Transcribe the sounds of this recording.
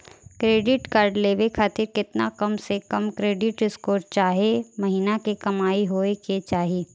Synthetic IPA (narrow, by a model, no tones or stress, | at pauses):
kɾeːɖɪʈkaːɾɖleːʋekʰaːt̪ɪɾkɪt̪nakɐmsekɐmkɾeːɖɪʈɾɪskoːɾt͡ʃaːɦiemɐɦiːnakikɐmaːiɦoːeket͡ʃaːɦieː